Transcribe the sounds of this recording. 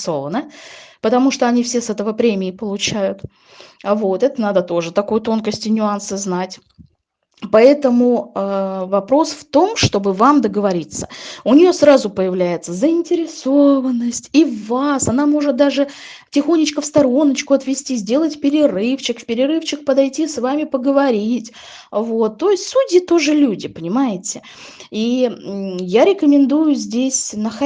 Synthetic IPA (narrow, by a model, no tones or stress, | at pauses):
so̞vənəpət̪ɐmuʂt̪oɐnʲifsʲe̞sɛt̪əvəpɾʲemʲɪːpəlˠʊt͡ɕæjʊt̪ | vo̞t̪ɛt̪ənad̪ət̪o̞ʐɨt̪ɐkojʊt̪o̞nkəsʲtʲɪnʲʊansɨznatʲ | pɐɛt̪əmʊəvɐpɾo̞sft̪o̞mʂt̪o̞bɨvamd̪əɡəvɐɾʲit̪sə̥ʊnʲɪjo̞sɾazʊpəjɪvlʲæjɪt̪səzəɪnʲtʲɪɾʲɪsovənːəsʲtʲivasɐnamo̞ʐɨt̪̚d̪aʐɨtʲɪxo̞nʲːɪt͡ɕkəfst̪ɐɾo̞nːət͡ɕkʊɐt̪vʲɪsʲtʲizʲdʲe̞lˠətʲpʲɪɾʲɪrɨft͡ɕɪkfpʲɪɾʲɪɾɨft͡ɕɪkpəd̪ɐjtʲisvamʲɪpəɡəvɐɾʲitʲ | vo̞t̪ːo̞ɪsʲtʲsudʲɪt̪o̞ʐɨlʲudʲɪpənʲɪmajɪtʲɪ | i | jaɾʲɪkəmʲɪnd̪ujʊzʲdʲesʲnəx